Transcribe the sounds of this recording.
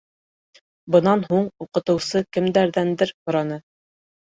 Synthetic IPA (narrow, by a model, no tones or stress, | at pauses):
bɤ̆nɑnɦuɴuqɤ̆t̪ɤ̆wsɤkɘ̆md̪æɾðænd̪ɘɾhŏɾɑnɤ